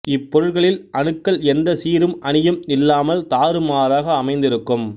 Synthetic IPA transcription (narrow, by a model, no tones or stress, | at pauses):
ɪpːɔɾɯɭɣɐɭɪlʔɐɳɯkːɐɭɛnd̪ɐsiːɾɯmɐɳɪjɯmɪlːaːmɐlt̪aːɾɯmaːðaːɣɐːmɐɪnd̪ɪɾɯkːɯm